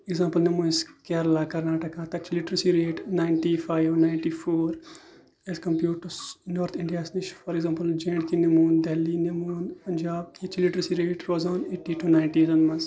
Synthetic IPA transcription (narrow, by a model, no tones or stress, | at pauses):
eɡzãːmpəlnemũːnskeɾlakɐɾnaːʈɐkãːt̪ɐt͡ʃiliʈɾsiɾeːʈnaːjɳʈifaːjʋnaːjɳʈiːfoːɾ | ezkɐmpjuːʈːɐɾsnoːɾt̪ʰĩɳɖijaːsniʃfɔɾeɡzãːmpəld͡ʒẽːɳɖkinɐmuːnd̪ɛlːinemuːnpɐnʲd͡ʒaːb̚ket͡ʃiliʈɾsiɾeːʈɾoːzaːneːʈːiːʈʰunajɳʈiːzɐnmɐns